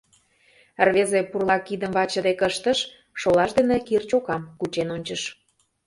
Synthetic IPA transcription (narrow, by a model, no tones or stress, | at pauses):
ərβezepurlˠɑkid̪əmvɑt͡ɕə̆d̪ekəʃt̪əʃ | ʃolɑʃd̪enekirt͡ɕokɑmkut͡ɕenonʲt͡ɕəʃ